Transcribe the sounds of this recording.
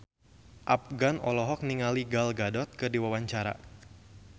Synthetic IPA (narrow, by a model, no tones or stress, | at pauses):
ʔap̚ɡanɔlɔɦɔk̚niŋaliɡalɡadɔt̪̚kədiwawaɲt͡ʃaɾa̰